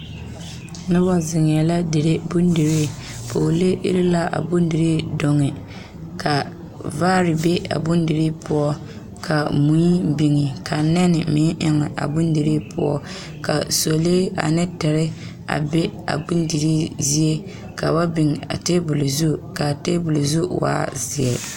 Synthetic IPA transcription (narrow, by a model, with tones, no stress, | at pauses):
nɪ˦bɔ˦zɪ˨ŋ˨ɛ˨la˦dɪ˨ɾe˦bʊ˦n˦di˨ɾi˦ | pʰo˨le˦ʔḭ˦ɾɪ˦la˦ʔa̰˨bʊ˦n˦dɪ˨ɾi˦do˨ŋɪ˨ | kʰa˨ | vaː˦ɾɪ˨be˦a̰˨bʊ˦ndi˨ɾi˦pʊ˦ɔ˦ | kʰa˨mu˨˦i˦bi˨ŋɪ˨kʰa˨nɛ˦nɪ˨mɪ˨˦ʔɪ˦ŋɪ˨ʔa̰˨bʊ˦n˦di˨ɾi˦pʰʊ̰˦ɔ̰˦ | ka˨so˨le˦a̰˨nɛ˦tɛ˨ɾɪ˦ | a̰˨bɛ˦a̰˨bʊ˦ndi˨ɾi˦zi˦e˦ | ka˨ba˦bɪ˨ŋ˨a̰˨te˦bʊ˨lʊ˨zu˦ka˨te˦bʊ˨lʊ˨zu˦wa̰ː˦zɪ˨ɛ˨